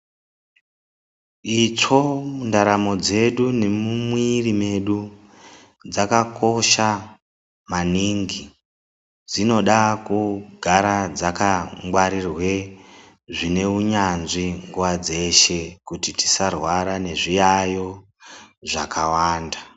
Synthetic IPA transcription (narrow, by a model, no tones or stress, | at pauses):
it͡ʂo̞mundaɾamo̞d͡ze̞ɗune̞mumwirime̞ɗu | d͡zakako̞ʃa | maniŋɡi | d͡zino̞ɗakuɡʱaɾad͡zakaŋɡwaɾirwe̞ | ʐine̞uɲanʐiŋɡuwad͡ze̞ʃe̞kutiti̥sarwaɾane̞ʐijajo̞ | ʐakawaːnda